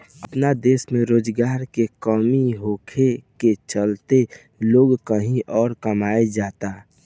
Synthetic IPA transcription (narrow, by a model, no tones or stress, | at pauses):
əpnad̪eːsmẽɾoːd͡ʒɡaːɾkekɔmiɦoːkʰeket͡ʃəlt̪e | loːɡkəɦĩʔɔːɾkəmaːed͡ʒaːt̪a